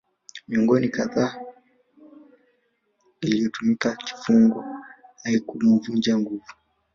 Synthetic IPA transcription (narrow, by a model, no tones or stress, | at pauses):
miɔŋɡɔnikaðaː | iliɔtumikaki̥fuŋɡwɔhaikumuvuɲd͡ʒaŋɡuvu